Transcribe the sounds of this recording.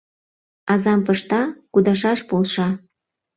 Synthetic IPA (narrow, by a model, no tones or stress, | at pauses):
ɑzɑmpɤʃt̪ɑkud̪ɑʃɑʃpolʃɑ